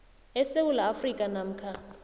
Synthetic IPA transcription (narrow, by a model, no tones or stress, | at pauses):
ɛsewulaːfrikʼanam̩kʰa